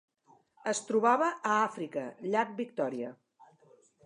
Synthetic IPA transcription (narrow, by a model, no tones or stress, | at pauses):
əst̪ɾuβaβəʔːafɾikəʎak̚bik̚t̪ɔɾiə